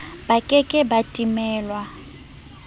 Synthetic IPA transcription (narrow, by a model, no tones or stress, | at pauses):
b̥akʼɛkʼɪbatʼimɛːlwa